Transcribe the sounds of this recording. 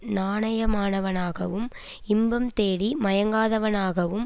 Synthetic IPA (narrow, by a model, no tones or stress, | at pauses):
naːnɐjɐmaːnɐʋɐnaːɣɐʋɯm | ɪmbɐmt̪eːɽimɐjɐŋɡaːðɐʋɐnaːɣɐʋɯm